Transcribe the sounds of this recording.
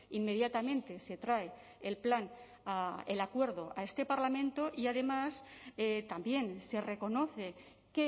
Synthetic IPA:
inme̞ð̞jat̪amẽnt̪e̞se̞t̪ɾae | elplan | aelakwe̞ɾðoʔa̰e̞st̪e̞paɾlamẽ̞nt̪o̞ʔiaðe̞maset̪ambje̞nse̞re̞ko̞no̞θe̞ | ke

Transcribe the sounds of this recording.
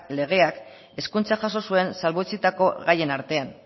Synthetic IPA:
le̞ɣ̞e̞ak | e̞skunt͡saxaso̞sue̞nsalβot͡sit̪ako̞ɣaje̞naɾt̪e̞an

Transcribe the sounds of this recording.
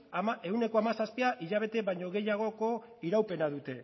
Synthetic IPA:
me̞wne̞ko̞amasaspiaʔiʎaβ̞e̞t̪e̞βajɲo̞ɣe̞jaɣ̞o̞ko̞ | iɾawpe̞naðut̪e̞

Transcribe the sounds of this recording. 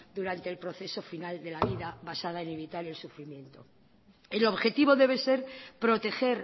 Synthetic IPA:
d̪uɾant̪e̞lpɾo̞θe̞so̞finald̪e̞laβiðaβasað̞aene̞βit̪aɾe̞lsufɾimjẽ̞nt̪o̞ | elo̞βxe̞t̪iβo̞ðe̞β̞e̞se̞ɾpɾo̞t̪e̞xe̞ɾ

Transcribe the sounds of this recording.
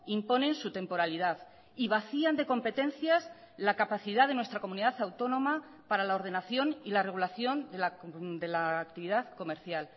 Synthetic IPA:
impo̞nẽ̞nsut̪e̞mpo̞ɾaliðað | iβ̞aθiand̪e̞ko̞mpe̞t̪e̞n̟θjas | lakapaθiðaðe̞nwest̪ɾako̞muniðaθawt̪o̞nõ̞ma | paɾalao̞ɾð̞e̞naθjo̞nilare̞ɣulaθjo̞nd̪elad̪e̞laːkt̪iβiðaðko̞meɾθjal

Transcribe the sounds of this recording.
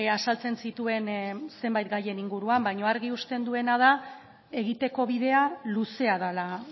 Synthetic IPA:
asalt͡se̞nsit̪ue̞nse̞mbajt̪̚ɡaje̞niŋɡuɾuambajɲo̞aɾɣiust̪e̞nd̪ue̞nað̞a | e̞ɣ̞it̪e̞ko̞βiðe̞aluse̞að̞ala

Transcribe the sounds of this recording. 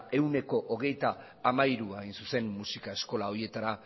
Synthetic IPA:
e̞wne̞ko̞ʔoɣ̞e̞jt̪aː | maiɾuajnsuse̞nːusikae̞sko̞lao̞ɾie̞t̪aɾa

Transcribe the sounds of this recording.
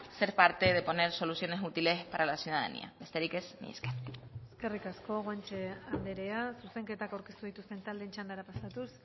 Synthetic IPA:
se̞ɾpaɾt̪e̞ð̞e̞po̞ne̞ɾso̞lusjone̞sut̪ile̞spaɾalasjuð̞aða̰nḭa̰be̞st̪e̞ɾike̞znḭeskeneske̞rikasko̞ɣwant͡ʃeand̪eɾeasuse̞ŋke̞t̪akawɾke̞st̪uðit̪ust̪e̞nt̪ald̪e̞nt͡ʃand̪aɾapasat̪us

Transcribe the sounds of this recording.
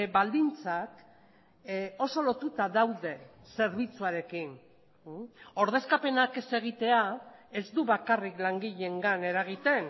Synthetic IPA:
bald̪int͡sak | o̞so̞lo̞t̪ut̪aðawðe̞ | se̞ɾβit͡suaɾe̞kin | o̞ɾð̞e̞skape̞nake̞se̞ɣ̞it̪e̞ae̞zd̪uβakariklaŋɡiʎe̞ŋɡane̞ɾaɣ̞it̪e̞n

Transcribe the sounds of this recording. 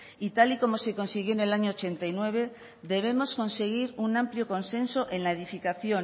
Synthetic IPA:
it̪aliko̞mo̞se̞ko̞nsiɣ̞jone̞laɲoːt͡ʃe̞nt̪ainwe̞β̞e̞ | ðe̞β̞e̞mo̞sko̞nse̞ɣ̞iɾunãmpljo̞ko̞nsẽ̞nso̞ʔe̞nlaeðifikaθjo̞n

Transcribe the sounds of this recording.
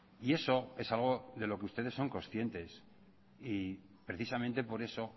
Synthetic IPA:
ie̞so̞e̞salɣ̞o̞ðe̞lo̞keust̪eðe̞sːo̞ŋko̞sθje̞nt̪e̞s | i | pɾe̞θisamẽ̞nt̪e̞po̞ɾe̞so̞

